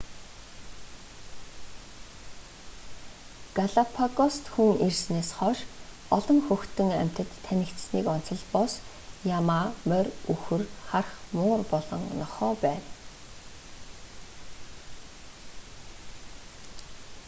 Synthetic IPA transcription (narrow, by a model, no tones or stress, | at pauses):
ɡ̥aɮapʰaɣɔst̪xuŋersneːsχɔʃ | ɔɮɞ̆ŋxɵxt̪ɵ̆ŋæ̰m̥ʲt̪ə̆t̪ʰːænʲɘ̆kt̪sniːkɔn̥t͡sɞ̆ɮpɔs | jamaːmœrʲuxɘ̆rχarχmʊːrpɔɮɞ̆ŋnɔχɔːpæːw